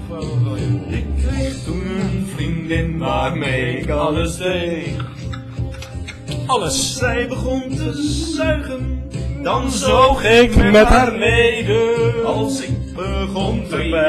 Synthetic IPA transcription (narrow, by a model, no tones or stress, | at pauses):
ɪkːrejχtunənvrindɪnvarmeːɪkɑləsde | ɔlsrɛjbəχɔntəzœɥχənd̥ɑnzoχɪkmɛtarmedəɑlˠsɪk̚bəχɔntə